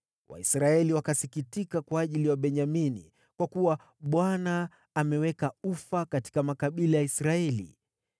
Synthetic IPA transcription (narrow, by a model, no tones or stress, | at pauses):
wʔa̰isɾaɛliwakasikitikakwaːʄiliwaɓɛɲaminḭ | kwakuwa | ɓwanaː | mɛwɛkaufakati̥kamakaɓilajaisɾaɛlḭ